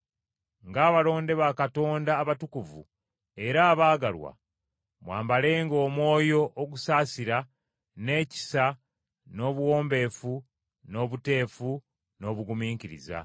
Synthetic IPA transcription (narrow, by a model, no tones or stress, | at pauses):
ŋɡaːβalo̞ːnde̞βakato̞ːndaːβatukuvṵ | e̞ɾaːβaːɡalwa̰ | mwa̰ːmbale̞ːŋɡo̞ːmwo̞ːjo̞ʔːɡusaːsiɾa | ne̞ːci̥sa | no̞ːβuwo̞ːmbe̞fu | no̞βute̞ːfu | no̞βuɡumiːŋkiɾḭza̰